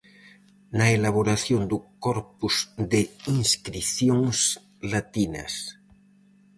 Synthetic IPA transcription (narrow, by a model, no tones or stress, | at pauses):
naelaβ̞oɾaθjond̪ukɔɾpuzd̪eiŋskɾiθjoŋs | lat̪inɐ̰s